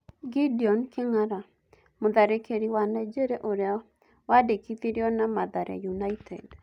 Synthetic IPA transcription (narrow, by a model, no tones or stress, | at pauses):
ɡidiɔnkeŋaɾa | moðaɾekeɾiwanɛd͡ʒeɾɛʔoɾea | wadekiðiɾjɔnamaðaɾɛ̰junaitʰɛ̰d